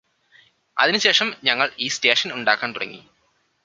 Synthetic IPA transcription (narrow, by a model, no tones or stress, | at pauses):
ɐ̰ðinɨɕe̞ːʂɐmɲɐŋːɐɭiːste̞ːʂɐnuɳɖaːkːaːnt̪urɐ̰ŋːḭ